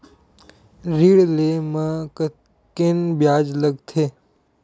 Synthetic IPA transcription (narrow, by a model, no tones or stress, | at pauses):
ɾiɽleməkə | kenbjaːd͡ʒləɡt̪ʰeː